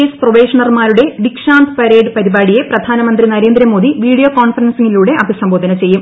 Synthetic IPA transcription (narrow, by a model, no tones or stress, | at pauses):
eːsproʋeːʂɐɳɐrmaːɾuɽe̞ʋikʂaːnd̪ɨpɐɾe̞ːɖɨpɐɾibaːɽije̞prɐd̪ʱaːnɐmɐnd̪rinɐɾeːnd̪ɾɐmoːd̪iʋiːɽijo̞ːkoːɳfɐrɐnsiŋːiluːɽe̞ʔɐbʱisɐmbo̞ːd̪ɐnɐt͡ɕe̞jːum